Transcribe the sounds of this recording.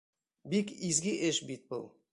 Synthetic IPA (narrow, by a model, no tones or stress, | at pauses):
bikizɡʲiʔeʃbit̪̚bə̰lˠ